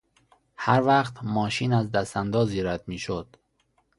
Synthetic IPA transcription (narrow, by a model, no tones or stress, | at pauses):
hæɾvæqt̪mɒːʃinæzd̪æst̪ænd̪ɒːziːɾæd̪miːʃod̪̥